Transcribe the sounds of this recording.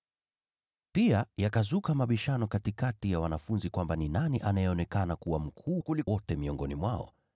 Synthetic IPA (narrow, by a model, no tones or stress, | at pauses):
piajakazukamaɓiʃanɔkatikatijawanafunzikwambaninaniʔanajɛɔnɛkanakuwam̩kʰukuliwɔtɛmiɔŋɡɔnimwaɔ̰